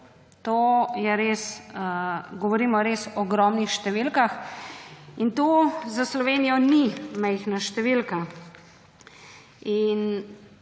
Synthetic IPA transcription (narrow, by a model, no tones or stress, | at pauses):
t̪oːjɛɾeːsəɡɔʋɔɾiːmɔɾeːsɔɡɾɔːmnixʃt̪ɛʋilkax | int̪ozaslɔʋeːnijɔnimɛjxnaʃt̪ɛʋilka | in